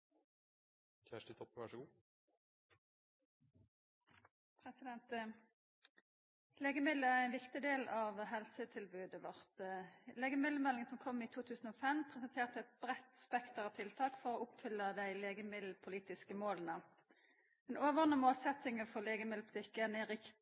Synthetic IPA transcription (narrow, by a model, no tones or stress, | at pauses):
kʰæʂʈɪt̪ʰɔpːəʋæʂəɡuː | pʰʁɛsɪd̪ɛnt̪ | leːɡəmɪd̪əʁæʁɛɪnʋɪkt̪ɪd̪eːlɑːʋɦɛlsət̪ʰɪlbʉːd̪əʋɔʁt̪leːɡəmɪd̪ləmɛlɪŋənsɔmkʰɔmːiːt̪ʰuːt̪ʰʉːsən̩oːfɛmpʰʁɛsənt̪ʰeːʁt̪əɛt̪̚bʁɛt̪spɛkt̪əʁɑʋt̪ʰɪlt̪ʰɑːkfɔʁoːʊpfʏlːəd̪æɪleːɡəmɪd̪l̩pʰʊliːt̪ɪskəmoːlənə | ɛnoːʋəʁnəmoːlsɛt̪ɪŋəfɔleːɡəmɪd̪lpʰʊ̥t̪ʰɪkːənɛʁɪk